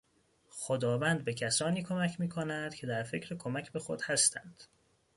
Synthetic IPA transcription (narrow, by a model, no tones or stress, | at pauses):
xod̪ɒːvænd̪̚be̞cʰæsɒːniːkʰo̞mæcʰmiːkʰonæd̪̥cʰe̞d̪æɾfe̞cʰɾekʰomæcʰbe̞xo̞d̪̥hæst̪ʰænd̪̥